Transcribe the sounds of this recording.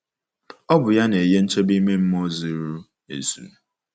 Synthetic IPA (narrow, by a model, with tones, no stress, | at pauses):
ɔ˦bʊ˨ja˦ne˨e˨je˦n̩˦t͡ʃe˦bi˦me˦m̩˦mo˦zi˦ɾu˦ | ḛ˨su˨n˨